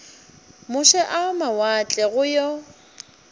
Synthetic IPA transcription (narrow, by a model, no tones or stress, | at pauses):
mʊʃɛʔamawat͡ɬʼɛɣʊjɔ